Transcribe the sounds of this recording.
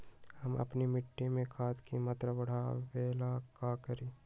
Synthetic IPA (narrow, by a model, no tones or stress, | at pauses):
hɐmɐ̰pnimɪʈːimẽkʰaːt̪kimɐt̪ɾəwɐɽ̤aʋeːlakakəɾiː